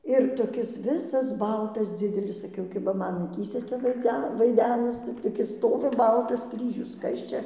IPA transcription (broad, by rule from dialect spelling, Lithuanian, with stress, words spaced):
ɪr toːˈkʲɪs ˈʋʲɪsɐs ˈbɐlˠtɐs ˈd͡zʲɪdʲɛlʲɪs sɐˈkʲɛʊ kʲɪbɐ ˈmɐn ɐˈkʲiːsʲɛ ˈt͡sʲɛ ʋɐɪˈd͡zʲɛ ʋɐɪˈdʲæːnɐsʲɪ toːˈkʲɪs ˈstoːʋʲɪ ˈbɐlˠtɐs ˈkrʲiːʒʲʊs ˈkɐs t͡ʃʲɛ